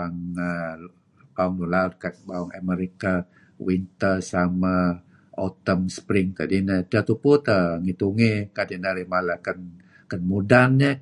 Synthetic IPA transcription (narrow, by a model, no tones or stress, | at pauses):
aŋə | bauŋlulaʊt̪̚kat̚bawaŋaməɾika | wint̪əsama | ot̪əmspɾɪŋkadinəd͡ʒat̪uput̪əŋit̪uŋekadinaɾimalakən | kənmudanɲə